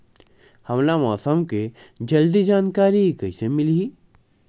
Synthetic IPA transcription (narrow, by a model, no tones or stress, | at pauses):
hɐmlamɔːsəmked͡ʒɐld̪id͡ʒaːnkaːɾiikɐisemɪlii